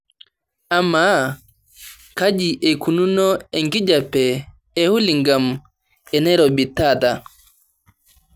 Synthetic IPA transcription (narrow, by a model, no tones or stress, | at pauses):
ʔamːa | kad͡ʒiʔɛkununɔɛŋkid͡ʒapːɛ | ɛhuliŋɡam | ɛnɛɾɔbitːata